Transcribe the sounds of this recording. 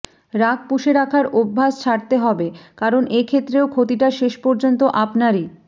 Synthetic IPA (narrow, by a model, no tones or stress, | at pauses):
ɾak̚puʃeɾakʰaɾobʱːast͡ɕʰaɾt̪eɦɔbekaɾonekʰet̪ːɾeokʰot̪iʈaʃeʃpɔɾd͡ʑont̪oʔapnaɾi